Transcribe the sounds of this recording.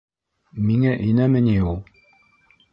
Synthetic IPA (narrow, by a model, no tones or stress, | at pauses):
miŋæʔɘ̆jnæmɘ̆niulˠ